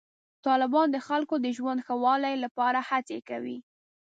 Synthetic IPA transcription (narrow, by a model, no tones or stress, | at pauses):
t̪ɑlɪbɑnd̪əxalkod̪əʒwand̪xəwɑlajlapɑɾahat͡sekawḭ